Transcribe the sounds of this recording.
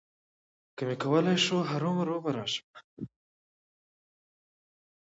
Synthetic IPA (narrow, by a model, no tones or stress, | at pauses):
kəmekawəlajʃoɦaɾomaɾoɣaɾɑʃə̥ma